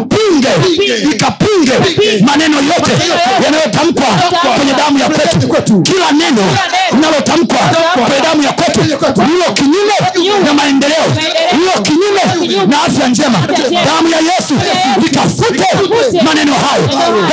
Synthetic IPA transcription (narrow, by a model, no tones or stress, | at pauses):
piŋɡɛnikapiŋɡɛmanɛnɔjɔtɛjanajɔtam̩kwakkwɛɲɛɗamujakwɛtukilanɛnɔlinalɔtam̩kwakkwɛɛɗamujakwɛtuhijɔkiɲumɛnamaɛndɛlɛɔ̰ | hijɔkiɲumɛ | nahafjand͡ʒɛmaɗamujajɛsu | likafutɛmanɛnɔhajɔ